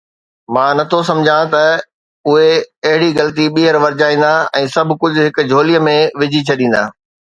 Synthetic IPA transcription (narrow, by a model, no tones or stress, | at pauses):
mãːnɐt̪ʰosɐ̃md͡ʑʱãt̪ɐ | ʊɦeɐɦɪɽiɣɐlt̪̬iɓiːɦəɾʋɐɾɪd͡ʑaːĩːn̆d̪aɛ̃ːsɐbʱkʊd͡ʑʱʊ̆ɦɪk̆d͡ʑʱoːlijəmẽʋɪd͡ʑʱit͡ɕʰɐɗĩːn̆d̪a̰ː